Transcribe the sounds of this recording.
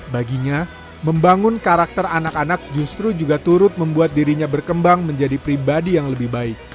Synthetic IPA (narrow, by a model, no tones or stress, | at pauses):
baɡiɲa | məmbaŋʊnkaɾak̚t̪əranakanak̚d͡ʒust̪ɾud͡ʒuɡat̪uɾʊt̪̚məmbuat̪̚diɾiɲabərkəmbaŋməɲd͡ʒadipɾibadijaŋləbɪhbaɪk̚